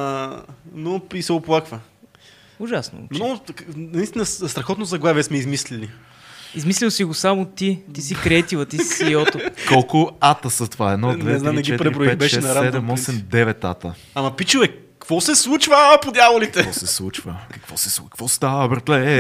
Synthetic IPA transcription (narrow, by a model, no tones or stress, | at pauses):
noisɛoplˠakvə | ʊʒasno̰mnɔɡʊnɐist̪inəst̪ɾɐxɔt̪not̪zɐɡlˠaviɛsmɛizmislili | izmislilˠsiɡʊsamʊt̪it̪isikɾɛt̪ilˠɐt̪issiɔt̪okolˠkʊat̪əsət̪ovaɛd̪nɔd̪vɛɛznamnɛt͡ʃiɛtpɾiɛɾibɾoɛt̪bɛʃɛsnɐɾasɛd̪ɛmɔsɛmd̪ɛvɛt̪at̪ə | amɐpit͡ʃuvɛ | kvɔsɛslˠut͡ʃvəpod̪ʲjavolit̪ɛvɔsɛslˠut͡ʃvə̰kɐ̥kvɔsɛskkvɔst̪avəbɛɾt̪lɛ